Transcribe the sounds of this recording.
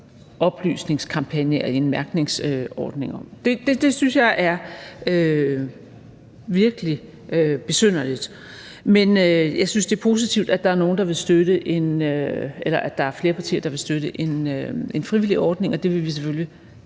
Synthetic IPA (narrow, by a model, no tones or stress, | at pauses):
ʔɒ̽b̥ly̰ːsne̝ŋskʰɑ̈mpʰænjəæenmæɐɡ̥ne̝ŋsøɒ̰ːd̥ne̝ŋɒ̽md̥e̝d̥e̝d̥e̝synsjɑɪʔæɐø | ʋiɐɡ̥əli | øb̥e̝søn̰ɐlid̥ | menøjɑ̈ɪsynsd̥e̝æɐpʰo̝ːs̬it͡sʰiʊd̥æd̥ɑ̈æɐno̝ːn̩d̥ɑ̈ʋe̝lsd̥øɾ̥əʔe̝nøelɐʔæ̥ɑ̈æɐfle̝ːɐpʰɑ̈t͡sʰḭːɐd̥ɑʋe̝lsd̥øɾəʔe̝nøe̝nfʁiʋiliʔɒːd̥ne̝ŋɒ̽d̥e̝ʋe̝ʋis̬efølji